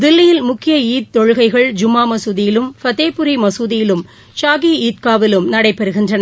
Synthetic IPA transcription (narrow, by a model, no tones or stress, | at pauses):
d̪ɪlːɪjɪlmʊkːɪjɐiːt̪t̪ːɔɻɯɣɐɪɣɐɭd͡ʒʊmːaːmɐsuːðɪjɪlɯmfɐt̪eːpʊɾimɐsuːðɪjɪlɯm | ʃaːɣiiːt̪̚kaːʋɪlɯmnɐɽɐɪpːɛɾɯɣɪndrɐnɐ